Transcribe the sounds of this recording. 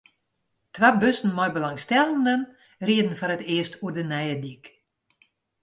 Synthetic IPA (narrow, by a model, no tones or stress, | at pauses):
tʋabøsn̩mɔjbəlaŋstɛlˠəndən | riədən̩fɔɾətɪəstʰuədənɛjədik